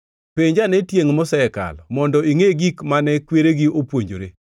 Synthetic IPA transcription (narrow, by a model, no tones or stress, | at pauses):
peɲd͡ʒanɛtjeŋmɔsɛka̰lmɔndɔiŋeɡikmanɛkweɾeɡiopwoɲd͡ʒo̰ɾe